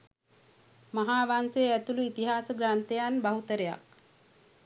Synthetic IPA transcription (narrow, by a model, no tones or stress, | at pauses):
maɦaːʋanseæt̪uluit̪iɦaːsəɡɾant̪ejanbaɦut̪əɾeja̰k̚